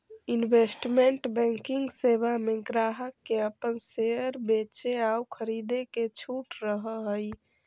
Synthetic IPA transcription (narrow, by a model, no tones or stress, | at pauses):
inbesʈmeɳʈbɛ̃ŋkiŋɡsebameɡɾaɦəkːeəpənseəɾbet͡ʃeaukʰəɾid̪eket͡ʃʰuʈɾəɦəɦəj